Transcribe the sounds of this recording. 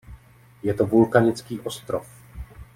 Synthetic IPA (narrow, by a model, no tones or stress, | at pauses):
jɛt̪ovulkaɲɪt͡skiːʔost̪ɾof